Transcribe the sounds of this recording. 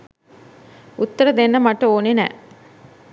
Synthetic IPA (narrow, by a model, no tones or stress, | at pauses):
ut̪ːəɾəd̪enːəmaʈəoːnenæ̰ː